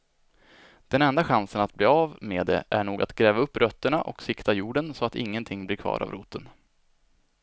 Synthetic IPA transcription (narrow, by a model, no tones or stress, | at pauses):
d̪̥ɛnɛnd̪aɧansənat̪̚bliːavmeːd̪ḛʔæɳuːɡa̰t̪ɡɾɛːvaɵpːɾœt̪ːəɳaʔɔ̰ksɪkt̪ajuːɖənsɔat̪ɪ̰ŋːənt̪ʰɪŋːblɪɾkʰvɑ̰ːɾʔa̰vɾṵːt̪ən